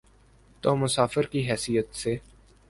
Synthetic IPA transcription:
t̪oːmʊsaːfəɾkiɦɛːsijət̪seː

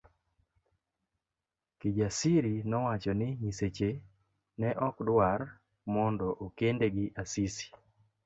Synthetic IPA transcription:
kid͡ʒasiɾinɔwat͡ʃɔnɪɲiset͡ʃe | nɛʔɔkdwar | mɔndɔʔokendeɡɪʔasisi̥

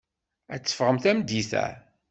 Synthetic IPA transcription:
æt͡sːə̥fʁəmθæmd̪iθæ̰

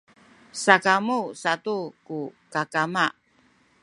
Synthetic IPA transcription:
sakamusatukukakamaʔ

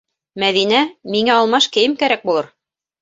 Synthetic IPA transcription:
mæðinæmiŋæɑlˠmɑʃkɘ̆jɘmkæɾæk̚bulˠɤɾ

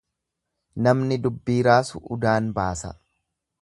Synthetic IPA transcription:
nɐmnɪd̪ʊbːiːɾaːsʊʔʊd̪aːnbaːsɐ̰

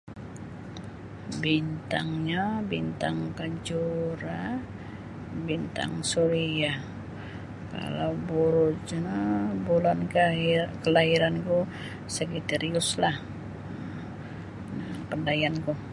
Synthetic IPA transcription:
bint̪a̰ŋɲabint̪aŋtkad͡ʒuɾa | bint̪a̰ŋsuɾia | ka̰lawbuɾud͡ʒ | bulankkəlaɦiɾanku | səkit̪eɾiʊslah | napəndajanku

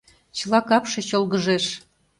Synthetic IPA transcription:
t͡ɕɤlˠɑkɑpʃĕɕolˠɣəʒeʃ

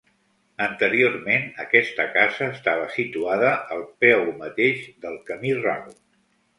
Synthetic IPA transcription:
ənt̪əɾiormenə̰kɛst̪əkazəːst̪aβ̞əsit̪uaðəəlˠpɛwmət̪eʃd̪əlˠkəmira̰ɣu

